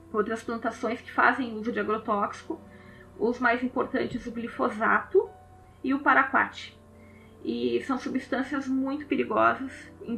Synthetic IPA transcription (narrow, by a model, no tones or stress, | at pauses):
owt̪ɾɐsplɐ̃nt̪asõj̃skɪ̥fa̰zẽj̃uzʊd͡ʒɪaɡɾot̪ɔksi̥kʊ | ʊzmajzĩpoɾt̪ɐ̃nt͡ʃɪzʊɡlifoza̰t̪ʊ | ɪʊpaɾakwa̰t͡ʃɪ̥ | ɪsɐ̃w̃subist̪ɐ̃siɐzmũj̃t̪ʊ̥peɾiɡɔzɐsẽ